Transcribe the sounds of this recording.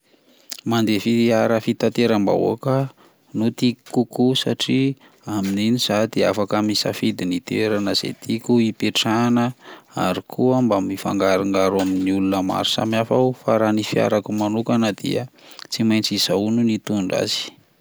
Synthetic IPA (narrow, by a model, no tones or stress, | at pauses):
mand̪efitiaɾəfit̪at̪eɾamba̰o̰kə | nut̪ikkukusaʈ͡ʂi | amininiz̥ad̪̥eafakəmisa̰fid̪init̪eɾanəz̥ḛt̪ʰikʲuipeʈ͡ʂanəa̰ɾikʰuambamifa̰ŋɡaɾaŋɡaɾaminiulunəma̰ɾu̥sa̰miafaufaɾanifia̰ɾakumanukanəd̪ḭət͡simajnt͡siz̥aununit̪uɳɖ͡ʐa̰zi̥